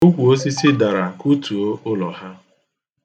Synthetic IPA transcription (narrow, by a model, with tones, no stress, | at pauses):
u˦kʷu˨o˦s̬i˦si˦da˨ɾa˨ku˦tu˨o˦ʊ˦lɔ˨ɦa˦